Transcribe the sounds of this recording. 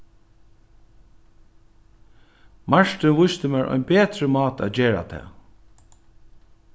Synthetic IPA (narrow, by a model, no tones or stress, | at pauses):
maʂt̪ɪnʋʊst̪əmæːɹʔɔ̰ʏnbeːt̪ɾəmɑːt̪a̰ːd͡ʒeːɹa̰t̪ʰɛ̰ː